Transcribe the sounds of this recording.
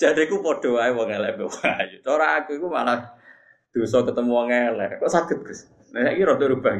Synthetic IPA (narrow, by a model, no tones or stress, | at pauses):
t͡ʃaɾikupɔɖ̪̥ɔ̤aiwɔŋelɛʔbewɔŋajut͡ʃoɾaːkuikuma̰lah | d̪̥o̤sɔkət̪əmuwɔŋelɛ̰ʔkɔʔsaɡ̪̥ə̤t̪̚b̥ɪs | naaʔkiɾɔt̪uɾub̥a̤k